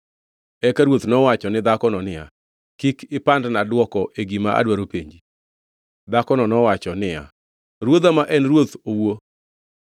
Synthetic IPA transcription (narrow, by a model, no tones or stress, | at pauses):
ɛkaɾwot̪nɔwat͡ʃɔnɪd̪akɔnɔnɪja̰ | kikʰɪpandnadwɔkɔʔeɡimaʔa̰dwaɾopeɲd͡ʒi | d̪akɔnɔnɔwat͡ʃɔnɪja̰ | ɾwod̪amaʔɛnrwot̪owo